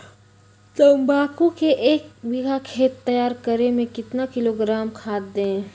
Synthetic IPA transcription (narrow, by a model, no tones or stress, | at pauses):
t̪ɐmbaːkukeʔeːk̚ʋɪɡʱakʰeːt̪ːɐjaːɾkəɾemẽkɪt̪nakɪloɡɾaːmkʰaːt̪d̪ẽ